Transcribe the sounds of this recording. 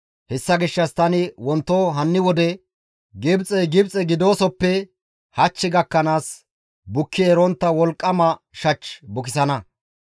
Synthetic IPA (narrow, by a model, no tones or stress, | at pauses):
hɛsːɐɡɪʃːɐst̪ɐnɪwɔnt̪ːoːɦɐnːɪwɔd̪ɛ | ɡɪbt͡sʼɛjɡɪbt͡sʼɛɡɪd̪o̞ːsɔpːɛ | hɐt͡ʃːɪɡɐkːɐnaːs | bʊkːɪɛɾɔnt̪ːɐwɔlkʼːɐmɐ | ʃɐt͡ʃːbʊkɪsɐnɐ